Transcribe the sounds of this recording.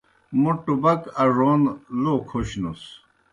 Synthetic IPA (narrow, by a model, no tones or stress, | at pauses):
muʈubɐkɐʐonlokʰoɕnus